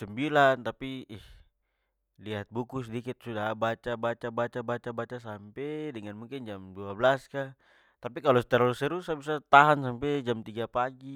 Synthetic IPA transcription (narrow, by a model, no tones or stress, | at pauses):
sɛmbilant̪apiih | liat̪̚bukusɛdikit̪̚sudabat͡ʃabat͡ʃabat͡ʃabat͡ʃabat͡ʃasampɛdəŋanmuŋkɪnd͡ʒamduablaska | t̪apikalɔsɛ̥t̪ɛɾɔlusɛɾusabisat̪aɦansampɛd͡ʒamt̪iɡapaɡi